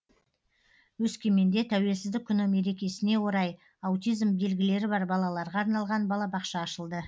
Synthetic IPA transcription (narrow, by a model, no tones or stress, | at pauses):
wɵskʲe̞me̞nd̪e̞t̪ʰæwe̞lsɪzd̪ɪkʲʰːʏnɪme̞ɾe̞kʲe̞sɪne̞wo̞ɾɑj | awt̪ʲijzmbe̞lɡʲɪle̞ɾɪbɑɾbɑlˠɑlˠɑɾʁɑːɾnɑlˠʁɑnbɑlˠɑbɑqʃɑːʃəlˠd̪ə